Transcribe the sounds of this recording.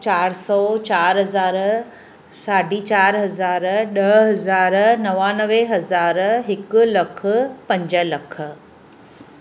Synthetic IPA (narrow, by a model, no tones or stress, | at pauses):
t͡ɕaːɾsɔːt͡ɕaːɾɦɐzaːɾ | saːɖit͡ɕaːɾɦɐzaːɾɗɐɦɦɐzaːɾnɐʋanəʋeɦɐzaːɾɦɪklɐkʰpɐ̃ɲd͡ʑəlɐkʰə